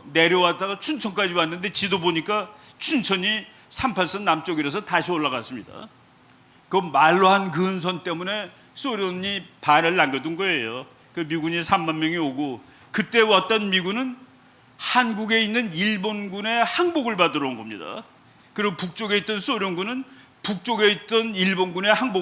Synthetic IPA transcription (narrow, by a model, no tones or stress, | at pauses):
ne̞ɾjʌwat͈aɡat͡ɕʰunt͡ɕʰʌnk͈ad͡ʑiwanːɯnde̞t͡ɕidoboɲik͈a | t͡ɕʰunt͡ɕʰʌɲi | sʰampʰaɭs͈ʌnnamt͡ɕ͈ʌɡiɾʌs̬ʰʌtaɕʰioɭːaɡas͈ɯmɲida̰ | kɯʌmaɭːohankɯns̬ʰʌnt͈e̞mune̞ | s͈oɾjʌɲipanɯɭːaŋɡjʌdunɡʌe̞jo | kɯmiɡuɲisʰammːanmjʌŋioɡo | kɯt͈e̞wat̚t͈ʌnmiɡunɯn | hanɡuɡe̞inːɯniɭbonɡune̞haŋboɡɯɭpadɯɾʌnɡʌmɲida̰ | kɯɾiɡopuk̚t͡ɕ͈oɡe̞it͈ʌns͈oɾjʌnɡunɯn | puk̚t͡ɕ͈oɡe̞it̚t͈ʌniɭbonɡune̞haŋbo